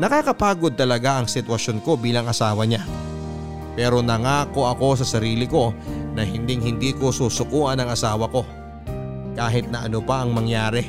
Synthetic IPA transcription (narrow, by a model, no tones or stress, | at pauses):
nɐkakɐpaːɡo̞d̪̚t̪ɐlɐɡaʔɐŋsɪt̪wɐʃo̞nko̞biːlɐŋʔɐsaːwɐɲa | pɛːɾo̞nɐŋaːko̞ʔɐko̞s̬ɐsɐɾiːlɪko̞nɐhɪnd̪ɪŋhɪnd̪iːko̞suːsʊkuːʔɐnɐŋɐsaːwɐko̞ | kaːɦɪt̪̚nɐʔɐnopɐʔɐŋmɐŋjaːɾɛ